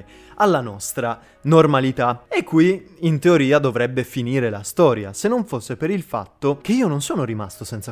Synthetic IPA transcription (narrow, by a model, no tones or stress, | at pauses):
alːanɔst̪ɾa | normalit̪aekʰːwiːnt̪eoɾiːad̪ovɾɛbːefiniːɾelast̪ɔːɾja̰senːoɱfosːepeɾilfa̰t̪ːok̟eiːononsoːnoɾima̰st̪osɛnt̪sa